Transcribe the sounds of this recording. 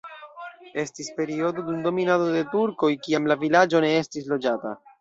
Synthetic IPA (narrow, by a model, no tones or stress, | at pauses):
e̞stispe̞ɾio̞dodundo̞minado̞de̞tuɾko̞jkiamlavilad͡ʒo̞ne̞e̞stis̬lo̞d͡ʒata̰